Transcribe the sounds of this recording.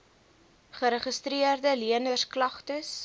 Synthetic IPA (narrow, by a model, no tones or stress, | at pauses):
χəɾəχəstɾiərdəliənərsklɐχtəs